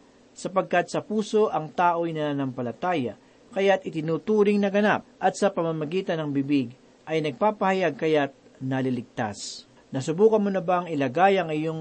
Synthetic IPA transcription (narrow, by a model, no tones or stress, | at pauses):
sɐpɐɡ̚kɐt̪̚sɐpuːso̞ʔɐŋt̪aːʔo̞jnɐnanɐmpɐlɐt̪aːjɐ | kɐjat̪ɪt̪ɪnut̪uːɾɪŋnɐɡɐnap̚ʔɐt̪̚sɐpɐmamɐɡiːt̪ɐnɐŋbɪbɪɡ | ʔɐjnɐɡ̚paːpɐhɐjaɡ̚kɐjat̪̚ | nɐlɪlɪɡ̚t̪a̰s | nɐsʊbuːkɐnmonɐbaŋɪlɐɡajɐŋɪjoŋ